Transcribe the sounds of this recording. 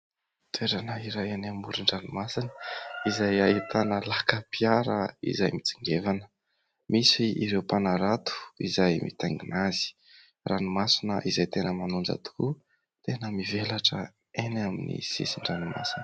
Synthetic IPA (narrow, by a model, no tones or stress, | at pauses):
t̪ʰeɾanaiɾajenamuɾiɳɖ͡ʐanumasin̥izajait̪ʰanəlakəpiaɾə̰ḭzajmit͡si̥ŋɡevanə̥ | misiiɾewpanaɾat̪u̥ḭzajmʔḭt̪aŋɡinazi̥ | ranimasinəʔizajt̪enəmanund͡ʒa̰t̪u̥ku | t̪enəmivelaʈ͡ʂə | enaminḭsḭsiɳɖ͡ʐanima̰sinə